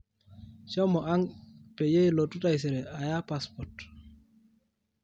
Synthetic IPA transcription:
t͡ʃɔ˦mɔ˨ʔa˦ŋpe˨je˦jlo˨tu˦ta˨js̬e˨ɾɛ˨ʔa˨ja˦pa˦spɔɾt

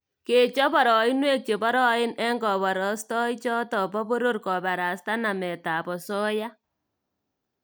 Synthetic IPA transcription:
ke˨t͡ʃɔ˦βɔ˨ɾɔ˨ɪ˦nwe˦k̚t͡ʃe˨bɔ˦ɾɔ˦ɪ˦nɛ˦ŋɡɔ˨βɔ˨ɾɔ˨˦stɔ˦i˦t͡ʃɔ˦tɔ˨pɔ˦bo˦ɾo˦ɾkɔ˨βa˨ɾa˨sta˦na˨mɛ˨ta˨bɔ˨sɔ˦ja˦

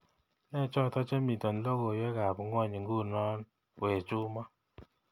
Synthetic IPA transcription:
nɛ˦˨t͡ʃɔ˦˨tɔ˦t͡ʃɛ˦mi˨tɔ˨n˨˦lo˦ɡo˨jɛ˦ka˨bu˨ŋ˦ɔ˦˨ɲi˨ŋɡu˦˨nɔ˦n˨ | e˨t͡ʃʊ˦ma˦

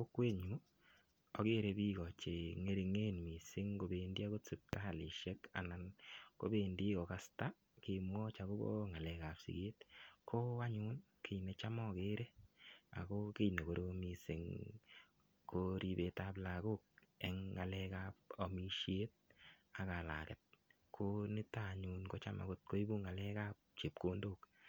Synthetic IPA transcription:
ko˦kwe˦ɲu˨˦ | ɔ˨ke˦ɾe˨bi˦ɣɔ˨t͡ʃe˨ŋe˨ɾi˨ŋe˦nmi˨sɪ˦ŋko˨be˨ndi˦a˦ko˦t͡se˨p̚ta˦˨li˨ʃe˦ka̰˨na˨nko̰˦be˨ndi˦ko˨ka˨sta˦ | ke˨mwɔ˦t͡ʃa˨ko˦bo̰˦ŋa˨lɛ˨ka˨psḭ˨ke˦t̚kʰo˦a˦ɲʊ˦n | kʰe˨jne˨t͡ʃa˦mɔ˦˨ke˦ɾe˦a̰˨ko˦ke˦jne˨ko˨ɾomi˦se˨ŋ | kʰoɾi˦be˨˦tapla˨ɡo˦k̚ɛ˨ŋːa˨lɛ˦ka˦p̚o˨mi˦ʃje˦t̚ | a˨ka˨la̰˨kɛ˨t̚ | kʰo˦nɪ˦ta˦˨ɲu˨nko˦t͡ʃa˦ma̰˨kʊ˦t̚ko˦i˦bu˦ŋa˨lɛ˦ka˦p̚t͡ʃe˨p̚ko˦ndo˦k

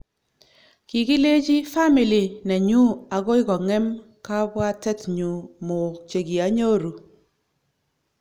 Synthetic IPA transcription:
ki˨ki˦le˦t͡ʃi˦fa˦mi˨li˨nɛ˨ɲu˦a˨ɡo˦ɪ˦kɔ˨ŋɛ˦m | ka˦bwa˦tɛ˦tɲu˨mo˨t͡ʃe˨ɡi˨a˨˦ɲo˦ɾu˨

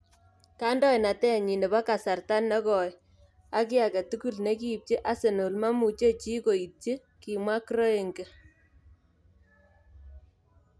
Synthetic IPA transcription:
ka˦ndɔ˦jna˨tɛ˦˨ɲi˨ne˨ba˦ka˨sa˨rta˦nːɛ˦kɔ˨j | a˦ki˦a˨kɛ˨tu˦ku˦lne˦ki˦˨p̚t͡ʃe˦ʔa˦se˨no˨lma˦mu˨t͡ʃe˦t͡ʃi˦ko˨i˨te˦ | ki˨mwa˦kɾo˦e˨ŋɡe˨

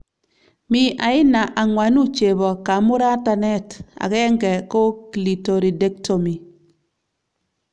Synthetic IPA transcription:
mi˦ʔa˨ɪ˦na˨ʔa˨ŋwa˨nu˦t͡ʃe˨bɔ˨ka˨˦mʊ˦ɾa˦ta˨nɛ˦ta̰˨kɛ˦ŋɡɛ˨kɔ˦kli˨to˨ɾi˨de˦k̚tʰo˨mi˨

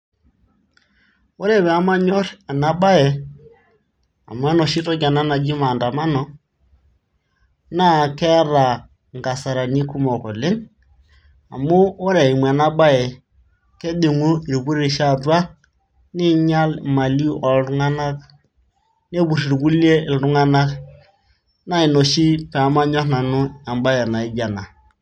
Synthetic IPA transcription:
o˦ɾe˦˨βɛ˨a˦ma˦ɲɔ˦ɾɛ˨na˨ɓa˦jɛ˨ | a̰˨m˦a˦nɔ˨ʃi˦tɔ˦d͡ʒa˨na˦na˨d͡ʒi˦ma˨nda˨ma˦nɔ˨ | na˦˨kɛ˦a˦ɾa˨ | ŋɡa˨sa˨ɾa˨ni˦ku˦mɔ˨ko˨le˦ŋ | a̰˨mo˦o˦ɾe˨i˨m˨a˨na˦ɓa˦jɛ˨ | ke˦di˨ŋu˦i˨ɾbu˦ɾi˦ɾʃa˦dwa˦ | ni˦ɲa˦lma˨li˦ʔɔ˨lɾu˦ŋa˦na˦k | ne˦bu˨ɾi˨ɾɡu˦li˦e˦ɪ˨lɾu˦ŋa˦na˦k | na˦i˨no˨ʃi˦pɛ˨˦ma˦ɲɔ˦na˨nu˦a˨mba˦jɛ˨na˨i˦d͡ʒa˨na˨

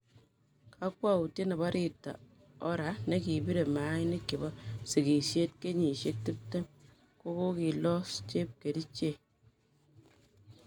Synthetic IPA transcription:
kʰa˦k̚wa˦u˨te˦nɛ˨ba˦ɾʔi˦tːa̰˨ | ɔ˦ɾa˨˦ne˦ki˨bi˦ɾe˨ma˨˦jnɪ˦ki˨bɔ˦si˨ki˨sje˦t̚ke˦ɲi˨ʃe˦k̚ti˦p̚te˦m | ko˦ko˦ki˨lɔ˦st͡ʃe˦p̚ke˨di˦t͡ʃe˦˨

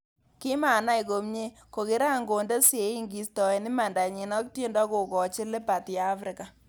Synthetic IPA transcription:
kɪ˦ma˨na˦i˨ko˨mɲe˦ | ko˨kɪ˦ɾa˦˨ŋɡo˨nde˦se˨i˦ŋɡi˨stɔ˨e˨ni˦ma˨nda˨ɲi˨nɔ˦k̚te˦ndɔ˦ko˨kɔ˨t͡ʃɪ˦le˦pa˨tjaː˨˦fɾɪ˨ka˨

